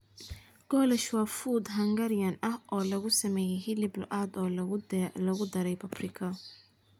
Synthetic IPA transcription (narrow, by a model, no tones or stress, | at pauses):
ɡ̥ɔːlɐʃwɑfuːd̪ɦɐŋɡɐɾjɐnɐhɔːlɐɣʊsɐmɛːjɛjɦɪlɪbl̰ʔaːd̪ɔː | lɐɣʊd̪ɐɾɛjpʰɐbrɪkʰɐ